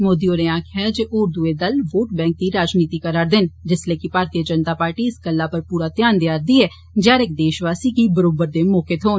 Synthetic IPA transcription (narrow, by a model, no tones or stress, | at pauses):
moːd̪ioːɾeaːkʰɪad͡ʒeːʔʊɾd̪ueːd̪əlʋoːʈbɛ̃ːŋk̚d̪iːɾaːd͡ʒniːt̪iːkəɾaːɾd̪ɪnd͡ʒɪsleːkɪpaːɾt̪ijəd͡ʒənt̪aːpaːɾʈiːɪsɡəlːaːpəɾpuːɾaːt̪ɪjaːnd̪jaːɾd̪iɛː | d͡ʒjaːɾɪk̚d̪eːʃʋaːsiːkibəɾoːbəɾd̪eːmɔːket̪ɦoːn